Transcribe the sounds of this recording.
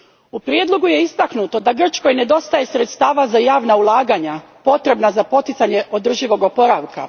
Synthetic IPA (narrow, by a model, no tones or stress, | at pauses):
upɾje̞d̪lˠo̞ɡuje̞ist̪aknut̪o̞d̪aɡr̩t͡ʃko̞jne̞d̪o̞st̪aje̞sɾe̞t̪st̪aːʋazajaːʋnaulˠaːɡaɲa | po̞t̪ɾe̞bnazapo̞t̪it̪saɲe̞ʔo̞d̪r̩ʒiʋo̞ɡo̞po̞ɾaʋka̰